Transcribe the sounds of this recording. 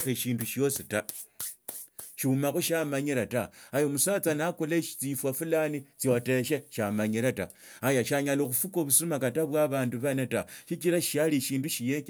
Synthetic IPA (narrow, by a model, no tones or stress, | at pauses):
eʃiːnduʃjo̞sita | ʃiumaxoʃamaɲiɾataajomusat͡sanakoleʃt͡sifwafulanit͡siote̞ʃ̬eʃamaɲiɾata̰ | ajaʃaɲaloxufukoβusumakataβwaβaːnduβanataʃikiɾaʃaliʃiːnduʃijek